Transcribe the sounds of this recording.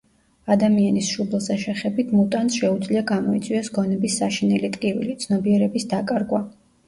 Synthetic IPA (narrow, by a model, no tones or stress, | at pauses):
ad̪amianisʃubɛlˠsaʃɛχɛbit̪ʰmut̪ʼansʃɛud̪zliaɡamɔit̪sʼwiɛsɡɔnɛbisːaʃinɛlit̪ʼqʼivḭlit̪sʰnɔbiɛɾɛbisd̪akʼaɾɡwa